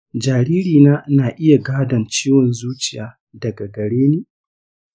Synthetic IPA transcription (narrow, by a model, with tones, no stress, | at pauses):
d͡ʒaː˨ɾiː˦ɾiː˨naː˦naː˨ʔɪ˦ja˨ɡaː˦dɐ˨nt͡ʃiː˦wɔ˨nzuː˦t͡ʃɪ˨jaː˨ | dɐ˨ɡa˨ɡɐ˨ɽeː˦neː˦